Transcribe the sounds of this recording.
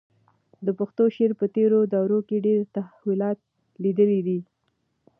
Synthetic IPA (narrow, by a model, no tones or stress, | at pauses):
d̪əpəxt̪oʃeɾpət̪eɾod̪ɑwɾokeɖeɾt̪ahwilɑt̪̚ | lid̪əlid̪i